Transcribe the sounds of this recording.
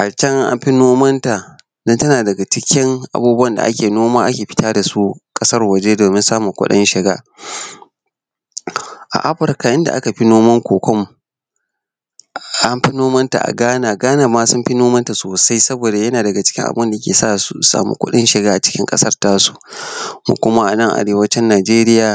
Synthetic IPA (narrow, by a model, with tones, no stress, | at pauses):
ʔa˨t͡ʃɐ˦ŋʔʔa̰˦mɸi˦noː˦mɐ˦nta˨ | dɔ˦ntɐ˦naː˨dɐ˨ɡa˨t͡ʃɪ˦kʲɪ˦ŋʔa̰˨buː˦bu˦wɐ˦nda̰˨ʔa̰˦kʲeː˨noː˦maː˦ʔa˦kʲeː˨ɸɪ˦taː˦da˨su˦kʼɐ˦sɐ˦rwɐ˨d͡ʒeː˦doː˨mɪ˦nsaː˦mu˨kʷʊ̰˦ɗɪ̰˦nʃɪ˨ɡa̰ː˦ | ʔa̰˨ʔa˦ɸɪ˨ɾka˨ʔɪ˦nda̰˨ʔa˦ka˨ɸi˦noː˦mɐ˦ŋkʷoː˨kʷɔ˦m | ʔa˦mɸi˦noː˦mɐ˦nta̰˨ʔa̰˨ɡaː˦naː˨ɡaː˦naː˨maː˦sʊ˦mɸi˦noː˦mɐ˦nta˨soː˨sa˦jsɐ˦boː˨da˨jɐ˦naː˨dɐ˨ɡa˨t͡ʃɪ̥˦kʲɪ˦ŋʔa̰˨bnda˨jkʲeː˨sa̰ː˦ʔsu˦sa̰ː˨mṵ˦kʷʊ̰˦ɗɪ˦nʃɪ˨ɡaː˦ʔa˨t͡ʃɪ̥˦kʲɪ̰˦ŋkʼɐ̰˦sɐ˦rtaː˦su̥˦mṵ˦kʷʊ˦ma˦ʔa̰˨nɐ˦ŋʔa̰˨ɽeː˨wɐ˦t͡ʃɛ˦nːaː˨d͡ʒeː˦ɾɪ˦jaː˨